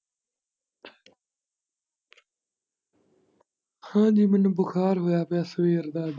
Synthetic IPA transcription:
hãːd͡ʒiːmɪnbʊxaːɾɦʊjaːpjaːsəʋiːəɾd̪aːd̪

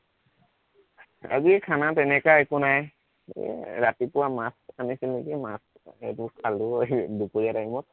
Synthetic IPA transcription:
a̰ziɛkʰanatɛnɛkaekunaj̰ | ɹatipʊwamasanisilnekimas | ḛtukʰaludupoɹiatajmɔt̚

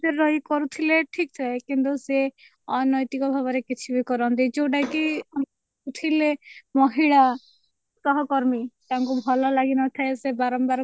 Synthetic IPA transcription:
seɾɔikɔɾut̪ʰileʈʰikt̪ʰaekint̪use | ɔnɔjt̪ikɔbʱabɔɾekit͡ʃʰibikɔɾɔnt̪id͡ʒowɖajki | ut̪ʰilemɔɦiɭa | sɔɦɔkɔɾmit̪aŋkubʱɔlɔlaɡinɔt̪ʰaesebaɾɔmbaɾ

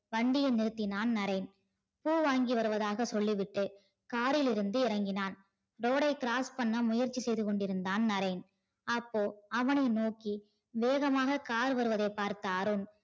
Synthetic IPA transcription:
ʋɐɳɖɪjɐnɪɾɯt̪ːɪnaːnnɐɾɐɪn | puːʋaːŋɡiʋɐɾɯʋɐðaːɣɐsɔɭːiʋɪʈːɯ | kaːɾɪlɪɾɯnd̪ɯɪɾɐŋɡɪnaːn | ɾoːɽɐɪkɪɾaːspɐnːɐmʊjɐɾt͡ʃːisɛjðɯkɔɳɖɪɾɯnd̪aːnnɐɾɐɪn | ɐpːoːɐʋɐnɐɪnoːkːi | ʋeːɣɐmaːɣɐkaːɾɯʋɐɾɯʋɐðɐɪpːaːɾt̪aːɾɯn

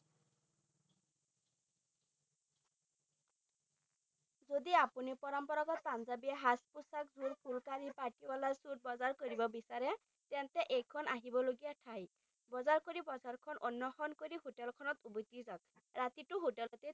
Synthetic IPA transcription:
zod̪iapunipɔɹɔmpɔɹɔkɔt̪̚panzabijɛɦaspusakzuɹpʰulkaɹipaʈibɔlasut̚bɔzaɹkoɹibɔbisaɹɛ | t̪ɛnt̪ɛʔekʰɔnaɦibɔloɡijaʈʰaj | bɔzaɹkoɹibɔzaɹkʰɔnɔnjɔxɔnkoɹiɦoʈɛlkʰɔnɔt̪ubɔt̪izɔk | ɹat̪itʊɦoʈɛlɔt̪ɛ

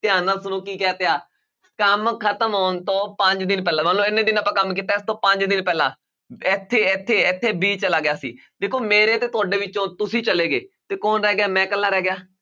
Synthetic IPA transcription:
t̪ɪjãːnãːsʊnõːkiːkɛːt̪eaː | kəmkʰət̪əmɦoːnt̪õːpəɲd͡ʒd̪ɪnpɛːlaːmənloːɪnːẽːd̪ɪnəpãːkəmkiːt̪aːɪst̪õːpəɲd͡ʒd̪ɪnpɛːlã̰ː | ɪt̪ʰːeːɪt̪ʰːeːɪt̪ʰːeːbiːt͡ʃəlaːɡɪjaːsḭː | d̪eːkʰoːmeːɾeːt̪eːt̪ʊaːɖeːʋɪt͡ʃːõːt̪ʊsĩːt͡ʃəleːɡeːt̪eːkoːnɾɛːɡjaːmɛ̃ːkəlːaːɾɛːɡɪjaː

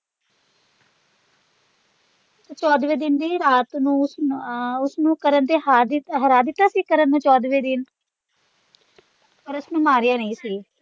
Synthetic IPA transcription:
t͡ʃɔːd̪ʋeːd̪ɪnd̪iːɾaːt̪nũːsʊsnũːkəɾənd̪eːɦaːd̪ɦəɾaːd̪ɪt̪ːaːsiːkəɾənːũːt͡ʃɔːd̪ʋeːd̪ɪn | pəɾʊsnũːmaːɾɪjãːnəĩːsiː

